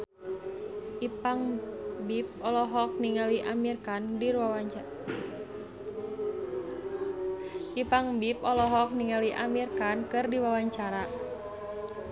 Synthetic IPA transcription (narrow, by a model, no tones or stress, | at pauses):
ʔipaŋbip̚ɔlɔɦɔk̚niŋaliʔamirkandiɾwawaa | ʔipaŋbip̚ɔlɔɦɔk̚niŋaliʔamirkankɨrdiwawaɲt͡ʃaɾa